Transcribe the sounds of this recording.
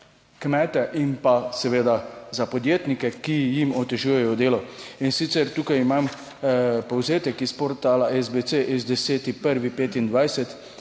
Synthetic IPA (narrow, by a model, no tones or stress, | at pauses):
kmɛːt̪ɛʔimpasɛʋeːd̪azapɔd̪jeːt̪nikɛkijimɔt̪ɛʒuːjɛjɔd̪eːlɔinsit̪sɛɾt̪uːkajimam | pɔwzeːt̪ɛkispɔɾt̪aːlaʔɛzbet̪seʔizd̪ɛseːt̪ipəɾʋipeːt̪ind̪ʋajsɛt̪